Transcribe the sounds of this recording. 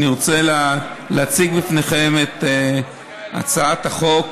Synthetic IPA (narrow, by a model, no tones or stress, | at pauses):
niʁot͡sela | leat͡siɡbifneχemet̪ | a̰t͡saat̪haχo̞k